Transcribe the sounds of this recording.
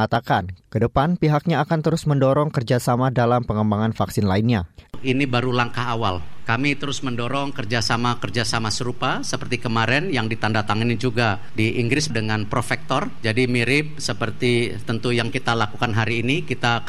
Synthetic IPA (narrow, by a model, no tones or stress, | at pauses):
at̪akankədəpanpiɦak̚ɲaːkant̪əɾʊsməndɔɾɔŋkərd͡ʒasamadalampəŋəmbaŋanfaksɪnlaɪnɲainibaɾulaŋkaɦawalkamit̪əɾʊsməndoɾɔŋkərd͡ʒasamakərd͡ʒasamasəɾupasəpərt̪ikəmaɾɛnjaŋdit̪andat̪aŋinid͡ʒuɡa | diʔiŋɡɾɪsdəŋanpɾofɛk̚t̪ɔrd͡ʒadimiɾɪp̚səpərt̪it̪ənt̪ujaŋkit̪alakukanɦaɾiːnikit̪a